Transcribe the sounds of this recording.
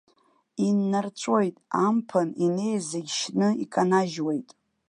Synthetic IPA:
inːart͡ʃʷʼo̞jtʼampʰanine̞jzaɡʲʃnɨikʼanaʒwejtʼ

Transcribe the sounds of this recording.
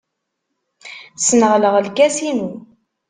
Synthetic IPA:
snəʁləʁəlkæsinu

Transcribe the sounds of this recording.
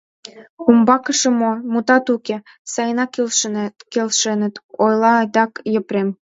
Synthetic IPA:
kumbɑkəʃə̆momut̪ɑt̪uke | sɑjnɑkelʃkelʃenə̆t̪ojlɑɑd̪ɑkjə̆pɾem

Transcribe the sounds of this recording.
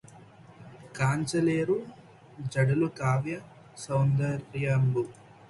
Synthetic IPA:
kaːɲt͡ʃɐleːɾu | d͡ʒɐɽɐlukaːʋjɐ | sɐwnd̪ɐɾjɐmbu

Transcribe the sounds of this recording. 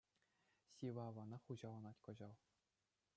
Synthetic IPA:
ɕiʋɑːʋɑnɑχuʑɑlˠɑnɑtʲkɤ̆ʑɑlˠ

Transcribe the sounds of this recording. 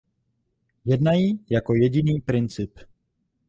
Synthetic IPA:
jɛdnajijakojɛɟiniːpɾɪnt͡sɪp

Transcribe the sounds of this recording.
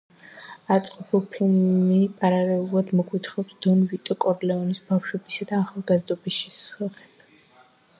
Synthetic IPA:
at̪sʼqʼɔpʰɛlpʰilmmipʼaɾalɛulˠad̪mɔkʼwit̪ʰχɔpsd̪̥ɔnvit̪ʼɔkʼɔɾlɛɔnisbafʃwɛbisad̪aːχalˠɡazd̪ɔbisʃisaχɛ̥

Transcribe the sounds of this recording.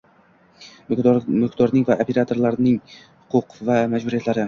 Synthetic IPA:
mɪkd̪ɒɾnɪŋvaʔopʰe̞ɾat̪ʰo̞ɾlaɾnɪŋhʊqʰʊqvamad͡ʒbʊɾijat̪laɾɪ

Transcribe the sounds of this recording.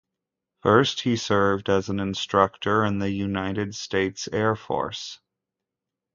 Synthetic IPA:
fɜ˞st̚hisɜ˞vdɨzn̩ɨ̃nstɹ̥ʌk̚tʰə˞ɨ̃nðɨjʉnaɪɾɨdsteɪtsɛɹfɔ̰ɹs

